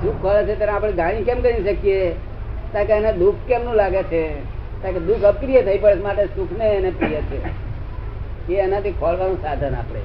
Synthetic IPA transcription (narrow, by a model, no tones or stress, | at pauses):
d̪uk̚ʰkʰɔlet͡ʃʰet̪janeapɽ̃eɡ̪ʱaɽ̃ĩkemkəɾiʃəkje | t̪ãkeəned̪ukʰkemnũlaɡet͡ʃʰe | t̪ãked̪ukʰəpkɾijət̪ʰəipəɭet͡ʃʰmaʈesukʰneːnep̪ijet͡ʃʰe | keːnat̪ʰikʰɔlʋanũsad̪ʱəna̰pɽ̃ḛ